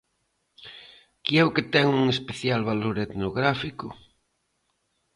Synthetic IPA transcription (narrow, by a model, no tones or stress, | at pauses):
kiɛʊket̪ɛŋuŋespeθjalβaloɾet̪noɣɾafikʊ